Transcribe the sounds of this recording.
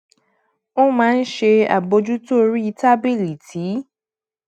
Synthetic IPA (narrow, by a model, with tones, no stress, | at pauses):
o˦mãː˨˦˧n̩˦ʃe˧a̰˨bo˧d͡ʒu˦to˦ɾi˦i˧ta˦bi˦˨li˨tʰi˨˦